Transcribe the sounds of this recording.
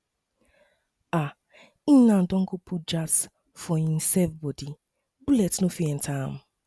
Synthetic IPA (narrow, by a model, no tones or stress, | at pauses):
a | inãn̩dɔ̃ŋ̩kʊpʰut̚d͡ʒas | fɔĩm̩sɛfbɔdi | bulɛtnofiɛn̩tʰaamʊ